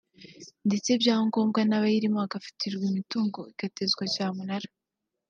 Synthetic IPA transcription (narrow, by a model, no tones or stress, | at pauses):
nde̞t͡se̞bjaːho̞ŋɡo̞ːmɡanaβajiɾimoaɡafi̥tʰiɾɡwimituːŋɡo̞iɡ̥ate̞zɡwacaːmunaɾa